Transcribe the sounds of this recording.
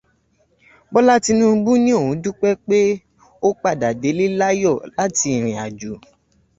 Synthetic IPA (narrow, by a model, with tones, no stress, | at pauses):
bɔ˦la˦ti˧nũ˦bu˦nĩ˦o˦˨hũ˨˦du˦k͡pɛ˦k͡pe˦ | o˦k͡pa˦˨da˨de˨˦li˦la˦jɔ˦˨la˨˦ti˧i˨ɾ̃ĩ˨a˨d͡ʒu˨